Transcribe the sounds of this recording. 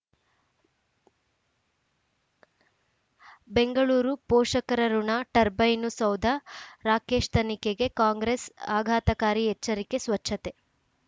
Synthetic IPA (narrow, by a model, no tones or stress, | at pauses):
be̞ŋɡɐɭuːɾupɔːʂɐkɐɾɐɾuɳaʈɐɾbɐjnusɐwd̪ʱɐɾaːke̞ːʂt̪ʰɐnikeɡe̞kaːŋɡɾesaːɡʱaːt̪ɐkaːɾiɛt͡ʃːɐɾike̞sʋɐt͡ʃʰːɐt̪e̞